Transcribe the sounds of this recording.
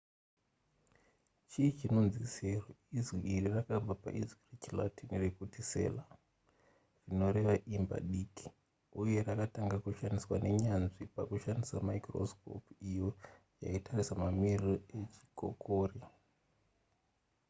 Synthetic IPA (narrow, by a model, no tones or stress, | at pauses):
t͡ʃit͡ʃino̞nziseroizwiirirakab͡vapa̰ʔizwiret͡ʃila̰tinrekutise̞̰la | rino̞ɾe̞ʋaʔimba̰ɗiːki̥ | uje̞rakataŋɡakuʃaniswane̞ɲanʐipakuʃandisamaikro̰sko̰pijo̞ | ja̰itʰarisamamiriroe̞t͡ʃi̥kʰo̰kʰoːri